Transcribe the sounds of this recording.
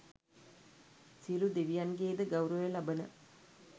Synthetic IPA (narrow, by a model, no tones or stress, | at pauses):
silud̪iʋijanɡeːd̪əɡɐwɾəʋəlabənə̰